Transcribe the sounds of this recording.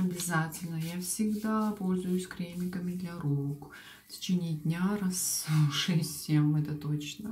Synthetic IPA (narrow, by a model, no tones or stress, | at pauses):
ɐbʲɪzatʲɪlʲnəjafsʲɪɡd̪apolʲzʊjʊsʲkɾʲemʲɪkəmʲɪd̪lʲɐɾok | tʲɪ̥t͡ɕenʲɪjd̪ʲnʲaɾasʂɛsʲtʲsʲemɛt̪ət̪ot͡ɕnə